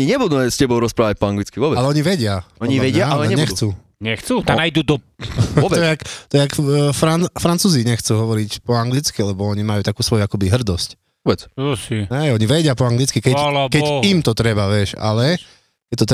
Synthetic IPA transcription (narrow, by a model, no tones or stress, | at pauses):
ɲiɲɛbud̪umɛscɛbɔʊɾɔspɾaːʋac̚pɔaŋɡlit͡skiʋɔbɛalɛɔɲiʋɛɟɪaɔɲiʋɛɟɪaaɲɛɲɛxt͡suː | ɲɛxt͡sut̪aajd̪ud̪ɔ | tb̪ɔɛakt̪ɔɛakfɾanfɾant͡suːziɲɛxt͡suːɦɔʋɔɾicpɔaŋɡlit͡skilɛbɔɔɲimajuːt̪akuːsʋɔjuakɔbiɦr̩d̪ɔsc | ɔbɛt͡sʃiɛɔɲiʋɛɟɪapɔaŋɡlit͡skikɛkɛimt̪ɔt̪ɾɛbaʋɪɛʃa̰lɛ | kɛc̚t̪ɔt̪